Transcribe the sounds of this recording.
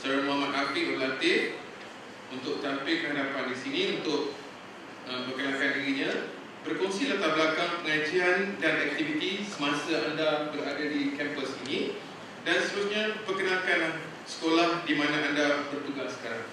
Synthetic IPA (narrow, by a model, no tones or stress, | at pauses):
saɾamamat̪̚ɦapɪʔbəlant̪ɪʔ | unt̪ʊk̚t̪ampɪlkəɦadapandisinĩunt̪ʊk̚ | əmbərkənãkandiɾiɲã | bərkɔŋsilaht̪abəlakaŋpəŋad͡ʒiandanɛk̚t̪ivit̪isəmãsaandabəɾadadikɛmpəsinĩ | danst̪əɾusɲãpərkənãkanlah | sə̥kolahdimãnãʔandabərt̪uɡahsːə̥kaɾaŋ